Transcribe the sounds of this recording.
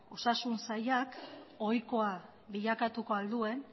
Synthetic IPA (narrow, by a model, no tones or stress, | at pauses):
osasunsajako̞jko̞a | βiʎakat̪uko̞ald̪ue̞n